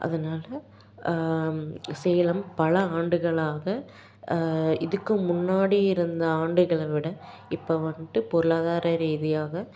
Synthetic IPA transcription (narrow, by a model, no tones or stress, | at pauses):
ʔɐ̰ðɐnaːlɐ | sɛjɐlɐmpɐlɐaːɳɖɯɣɐɭaːɣɐ | ɪðɯkːɯmːʊnːaːɽiɪɾɯnd̪ɐaːɳɖɯɣɐɭɐʋɪɽɐ | ɪpːɐːʋɐɳʈɯpɔɾɯɭaːðaːɾɐɾiːðɪjaːɣɐ